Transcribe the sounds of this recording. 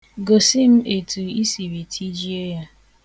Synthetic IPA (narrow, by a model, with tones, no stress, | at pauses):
ɡo˨si˦m̩˦e˨tʰu˨i˦si˨ɾi˨tʰi˦d͡ʒi˦e˦ja˦